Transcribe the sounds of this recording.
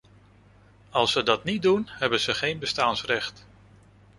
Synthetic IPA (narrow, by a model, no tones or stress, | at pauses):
ɑlˠsədɑtnit̚dunɦɛbənz̥əχejnbəstaːnsrɛχt